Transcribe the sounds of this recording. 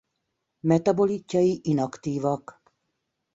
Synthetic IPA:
mɛt̪ɒbo̞licːɒjiʔinɒkt̪iːvɒk

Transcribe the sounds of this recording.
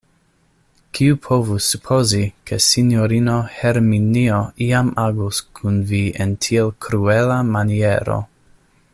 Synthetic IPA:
kʰiupʰovusupʰozikʰesinjoɾinoheɾminioiamaɡuskʰunvientʰielkʰɾuelamanieɾo̰

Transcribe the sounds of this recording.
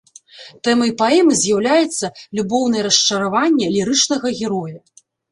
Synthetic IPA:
t̪ɛmɐjpaɛmɨzʲjawlʲajɛt̪sːɐlʲubɔwn̪ɐjɛɾɐst͡ʂɐɾavanʲːɛlʲiɾɨt͡ʂnɐɣɐɣʲɛɾɔju

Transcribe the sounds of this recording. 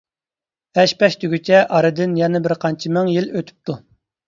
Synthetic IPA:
ɛʃpɛʃt̪yɡʲyt͡ʃʰɛʔɑɾɨd̪ɪnjɛnɪbɪɾqʰɑnt͡ʃʰimɪŋjiløt̪ʰy̥p̚t̪ʰu

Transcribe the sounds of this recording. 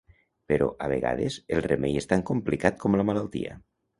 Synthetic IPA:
peɾɔʔaβ̞eɣa̰ðezelˠremejest̪aŋkumplikat̪̚kɔmləmalalˠt̪ḭə̰

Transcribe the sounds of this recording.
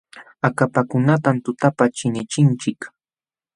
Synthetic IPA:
akapakʊnat̪amt̪ʊt̪apat͡ʃɪnɪt͡ʃɪnt͡ʃɪk

